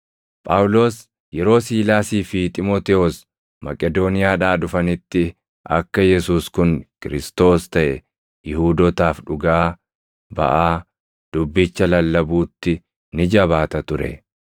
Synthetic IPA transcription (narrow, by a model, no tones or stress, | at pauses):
pʼɐʔʊlo̞ːs | jɛɾo̞ːsiːlaːsiːfɪt̪ʼɪmoːt̪ɛɔs | mɐkʼɛd̪oːnɪjaːᶑaːᶑʊfɐnɪt̪ːɪ | ʔɐ̰kːɐjɛsuːskʊnkɪɾɪst̪o̞ːst̪ɐʔɛ | jɪhuːd̪ɔt̪aːfᶑʊɡaː | bɐ̰ʔaː | d̪̥ʊbːɪt͡ʃːɐlɐlːɐbuːt̪ːɪ | nɪd͡ʒɐβaːt̪ɐt̪ʊɾɛ̰